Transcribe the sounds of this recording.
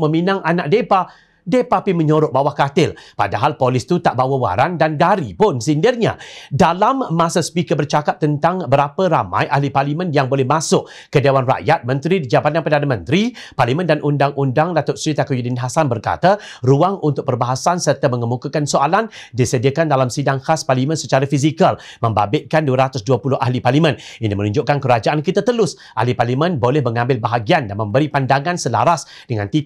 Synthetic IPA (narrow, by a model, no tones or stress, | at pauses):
mə̃mĩnãŋʔanaʔ̚depa | depapimə̃ɲoɾʊʔ̚bawahkat̪ɪlpa̰daɦalpolɪst̪ut̪aʔbawəwa̰ɾandanɡaɾipʊnsindɪrɲa̰dalamːãsaspikəbərt͡ʃakap̚t̪ənt̪aŋbəɾapəɾamã̰jʔahliparlimə̃njaŋbolɛhmasʊʔ | kədewanra̰ʔjat̪̚mə̃nt̪ɾidid͡ʒabat̪̚jãŋpədanamə̃nt̪ɾi | parlimə̃ndanʔundaŋʔundaŋdat̪ʊʔ̪̚sɾit̪akujudinɦasanbərka̰t̪a | ruaŋunt̪ʊk̚pərbaɦasansərt̪amə̃ŋəmukakansoalan | disədiakandalamsidaŋkasparlimə̃nsət͡ʃaɾafis̬ikal | mə̃mba̰bɪt̪̚kanduaɾat̪ʊsduapulʊhʔa̰hliparlimə̃ninimənũɲd͡ʒʊʔkankəɾad͡ʒaʔankit̪at̪əlʊs | ʔa̰hliparlimə̃nbolɛhmə̃ŋãmbɪlbaɦaɡiandanmə̃mbəɾipandaŋãnsəla̰ɾas | d̥əŋant̪i